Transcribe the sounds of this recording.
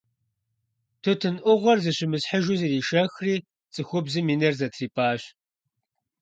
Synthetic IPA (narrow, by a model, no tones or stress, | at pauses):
tʰɨtʰɨnʔʷʊʁʷɔrzɨɕɪmɨsħəʒuzɨriːʃɐxriː | t͡sʼɨxʷʊbzɨmiːnɐrzɐtʰriːpʰʼaːɕ